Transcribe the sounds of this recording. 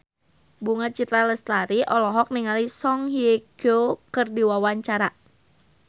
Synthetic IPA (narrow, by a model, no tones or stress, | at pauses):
buŋat͡ʃit̪ɾaləst̪aɾiʔɔlɔɦɔk̚niŋalisɔŋhieɡ̥okɨrdiwawaɲt͡ʃaɾa